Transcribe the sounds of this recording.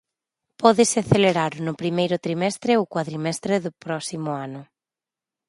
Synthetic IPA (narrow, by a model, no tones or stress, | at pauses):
pɔðɪsɪaθeleɾaɾʊnʊpɾimejɾʊt̪ɾimɛst̪ɾɪokwaðɾimɛst̪ɾeðʊpɾɔsimʊanʊ